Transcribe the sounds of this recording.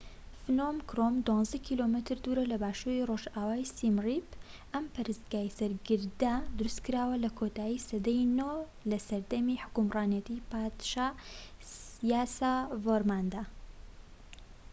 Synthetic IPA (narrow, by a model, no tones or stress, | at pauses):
fnomkɾomd̪wɑ̃nzɐkʰilomɨt̪ɨɾd̪uɾɐlɐbaːʃuːɾiroʒaːwaːjsimripʔɐmpɐɾɨsɡaːjsɐɾɡɨɾd̪ɐd̪ɨɾɨst̪kɨɾaːwɐlɐkʰot̪aːjisɐd̪ejno | lɐsɐɾd̪ɐmiħʊ̥kumrɑːnjɐt̪ipad̪ʃa | s | ijaːsavoɾmand̪a